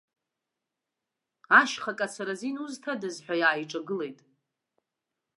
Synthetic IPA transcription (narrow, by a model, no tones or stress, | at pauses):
aʃχakʼasaɾazinuztʰadɨzħʷᶣajaːjʈ͡ʂʼaɡɨle̞jtʼ